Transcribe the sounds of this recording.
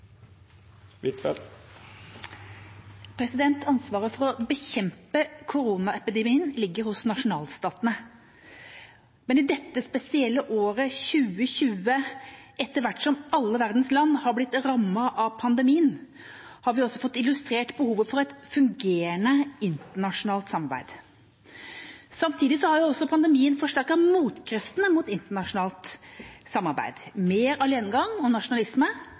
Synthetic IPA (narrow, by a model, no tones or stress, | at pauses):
ɪt̪ɛ̰l | pʰɾɛsɪd̪ɛnt̪ʰɑnsʋɑːɾəfɔɾɔbəçɛmpəkʰʊɾuːnɑɛpɪd̪ɛmiːənlɪɡːəɾhʊsnɑʂʊnɑːlst̪ɑːt̪ənə | mɛnɪd̪ɛt̪ːəspɛsɪɛlːəʔoːɾəçʉːəɕʉːəʔɛt̪ːəɾʋæʈːsɔmɑlːəʋæʁd̪nslɑnːhɑɾblɪt̪ɾɑmːɑʔɑpʰɑnd̪əmiːən | hɑɾʋɪɔsːɔfɔt̪ːɪlʉst̪ɾeːʈbəhuːʋəfɔɾɛɪt̪fʉŋɡeːɾəɳəɪnt̪əɳɑʂʊnɑːlt̪sɑmɑɾbæ̰ɪd̪ | sɑmt̪ʰiːd̪ɪsɔhɑɾjʊɔsːɔpʰɑnd̪əmiːənfɔʂʈæɾkɑmuːt̪kʰɾɛft̪ənəmut̪ɪnt̪əɳɑʂʊnɑːlt̪sɑmːɑɾbæ̰ɪd̪̥meːɾɑleːnəɡɑŋɔnɑʂʊnɑlɪsmə